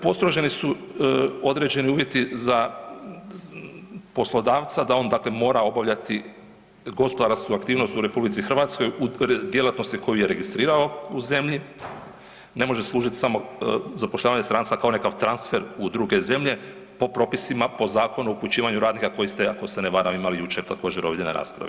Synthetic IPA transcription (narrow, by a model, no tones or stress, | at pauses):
po̞st̪ɾoʒe̞nisu | o̞d̪ɾe̞ːd͡ʑe̞niuːʋje̞t̪iza | po̞slo̞d̪aːʋt̪sad̪ao̞ːnd̪aːkle̞mo̞ːɾao̞baʋʎat̪i | ɡo̞spo̞d̪aɾskuakt̪iːʋno̞st̪uɾe̞publit̪sixr̩ʋaːt̪sko̞jud̪je̞lˠat̪no̞st̪iko̞juje̞ɾe̞ɡist̪ɾiːɾao̞uze̞mʎi | ne̞mo̞ʒeslˠuːʒit̪i̥samo̞zapoʃʎʲaːʋaɲest̪ɾant̪sakao̞ne̞kaʋt̪ɾansfe̞ɾud̪ɾuːɡe̞ze̞mʎe̞ | po̞pɾo̞pisimapo̞zaːkonuouput͡ɕiːʋaɲuɾaːd̪nikako̞jist̪eako̞seneʋaɾamimalijut͡ʃet̪ako̞ːd͡ʑeɾo̞ʋeʎenḛɾa̰ːspɾa̰ʋe